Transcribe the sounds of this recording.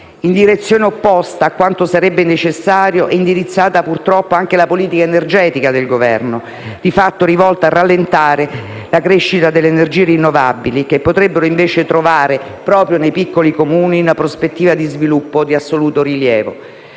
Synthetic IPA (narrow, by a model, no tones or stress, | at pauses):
ind̪iɾet̪sːjoːneopːɔst̪aːkːwant̪osaɾɛbːenet͡ʃesːaːɾjoʔɛind̪iɾit̪sːaːt̪apurt̪ɾɔpːoaŋk̟elapoliːt̪ikaenerd͡ʒɛːt̪ikad̪elɡovɛrno | d̪̥ifat̪ːoɾivɔlt̪aːrːalːent̪aːɾe | lakɾeʃːit̪ad̪elːeːnerd͡ʒiːeɾinːovabːilikepːot̪ɾebːeɾoiɱveːt͡ʃet̪ɾovaːɾe | pɾɔːpɾjonejpikːolikomuːninapɾospet̪ːiːvad̪izvilupːod̪iasːoluːt̪oɾiljɛːvo̰